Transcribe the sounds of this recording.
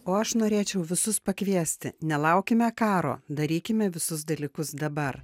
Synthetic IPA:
oːɐʃnoːɾʲeːt͡ʃʲɛʊʋʲɪsʊspɐkʋʲiɛsʲt̪ʲɪnʲɛlˠɐʊkʲɪmʲɛkɑːɾo̰ːd̪ɐɾʲiːkʲɪmʲɛʋʲɪsʊs̬d̪ɐlʲiːkʊsd̪ɐbɐr

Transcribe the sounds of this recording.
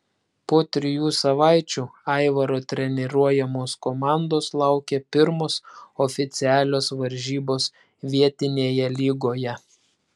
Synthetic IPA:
poːt̪ʲɾʲɪjuːsɐʋɑˑɪt͡ʃʲuːɑɪʋɐɾoːt̪ʲɾʲɛnʲɛɾuɔjɛmoːskɔmɑˑnd̪oːslˠɑˑʊkʲɛpʲɪɾmoːsɔfʲɪt̪sʲɪæːlʲoːsʋɐɾʲʒʲiːboːs | ʋʲiɛt̪ʲɪnʲeːjɛlʲiːɡoːjɛ

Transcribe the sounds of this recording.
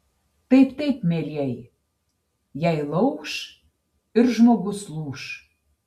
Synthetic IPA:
t̪ejpt̪ejpmelʲjæj | jæjlɤwʃ | yrʒmoɣosluʃ

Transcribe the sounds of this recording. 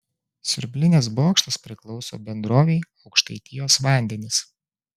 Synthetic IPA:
sʲʊɾʲbʲlʲɪnʲɛs̬boːkʃt̪ɐspʲɾʲɪklˠɒʊso̰ːbʲɛnd̪ɾoːʋʲɛɪɒʊkʃt̪ɐɪt̪ʲɪjoːsʋɑˑnʲd̪ʲɛnʲɪs

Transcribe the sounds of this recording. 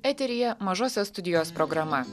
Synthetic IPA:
ɛt̪ʲɛɾʲɪjɛmɐʒoːsʲɛst̪ʊd̪ʲɪjoːspɾɔɡɾɐmɐ

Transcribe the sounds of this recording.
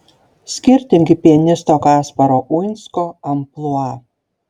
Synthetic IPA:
sʲkʲɪɾʲt̪ʲɪmʲɡʲɪpʲiɛnʲɪst̪oːkɑːspɐɾoʔujnʲskoːɐmplˠuɑ

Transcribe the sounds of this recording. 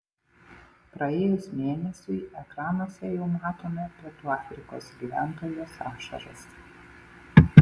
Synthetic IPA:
pɾɐeːjʊsmʲeːnʲɛsʲʊɪɛkɾɑːnoɔsʲɛjɛʊmɑːt̪oːmʲɛpʲɛt̪uːɑːfʲɾʲɪko̰ːsɡʲiːʋʲæːˑnt̪oːjoːsɑːʃɐ̰ɾɐ̰s

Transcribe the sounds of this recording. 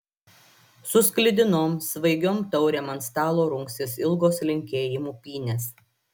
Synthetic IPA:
sʊsʲklʲɪd̪ʲɪnoːmsʋɐɪɡʲoːmt̪ɐʊɾʲeˑmɐnst̪ɑːlˠoːɾʊŋksʲɪsɪlˠɡoːslʲɪŋʲkʲeːjɪmuːpʲiːnʲeːs

